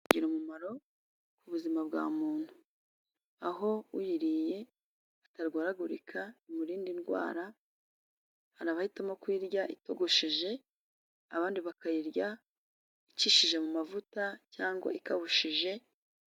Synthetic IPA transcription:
ɟiɾumumaɾo̞ | kuβuzimabɡa̰ːmuːn̥hu | aɦo̞ujiɾije̞ | ataɾɡaːɾaɡuɾikʰaimuɾiːndinɡwa̰ːɾa | haɾaβahitamokwiɾɟaʔito̞ɡoʃiʒe̞ | aβaːndiβakajiɾɟa | iciʃiʒe̞mumavutacaːŋɡwa̰ʔikaβuʃiʒe̞

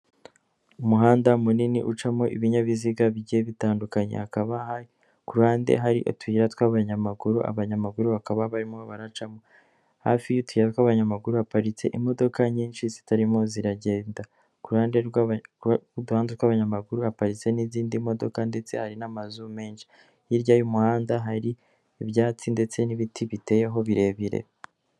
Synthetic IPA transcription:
umuɦaːndamuniniʔut͡ʃamŋo̞ʔḭβiɲaβiziɡaβiɟiheβitaːndukaɲḛhakaβaha | kuɾuhaːnde̞̰ɦaɾḭʔo̰twiɾatwaβaɲamaɡuɾuʔa̰βaɲamaɡuɾuβakaβaβaɾimo̞βaɾat͡ʃamo̞ | ha̰ːfijutwiɾat̚waβaɲamaɡuɾuhapaɾit͡se̞̰ʔimo̞do̞kaɲiːnʃizitaɾimo̞ziɾaɟe̞ːnda | kuɾuhaːnde | uduhaːndetwaβaɲamaɡuɾuapaɾit͡se̞niziːndimo̞do̞̰kande̞t͡se̞haɾinamazume̞ːnʃi̥ | jiɾɟajumuhaːndaɦaɾiː | βjaːt͡sinde̞t͡se̞niβitʰiβite̞jeɦo̞βiɾe̞βiɾḛ

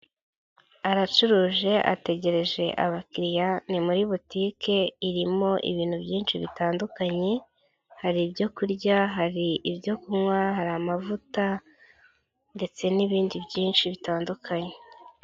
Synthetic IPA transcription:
aɾat͡ʃuɾuːʒe̞ʔa̰te̞ɟe̞ɾe̞ʒe̞ʔa̰βakiɾijanimuɾiβutikʰe̞iɾimo̞ʔḭβiːn̥hubɟiːnʃiβitaːndukaɲe̞ | haɾibjo̞kuɾɟaɦaɾiʔiβjo̞kumŋwaɦaɾamavuta | nde̞t͡se̞niβiːndibɟiːnʃiβitaːndukʰaɲe

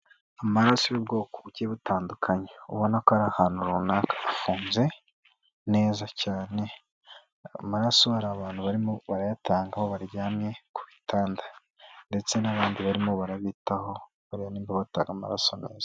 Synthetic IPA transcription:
amaɾasojobɡo̞ːkoβuceβutaːndukʰaɲeuβo̞nakoaɾahaːnuɾunaːkʰḁːfuːnze̞ | ne̞ːzacaːne̞ | amaɾaso̞haɾaːβaːnhuβaɾimo̞βaɾajatʰaːŋɡaho̞βaɾɟaːmɲe̞kuβitʰaːnda | nde̞t͡se̞naβaːndiβaɾimo̞βaɾaβiːtaho̞ | βaɾianiːmbaβataːŋɡama̰ɾa̰so̞ne̞ːz̥a

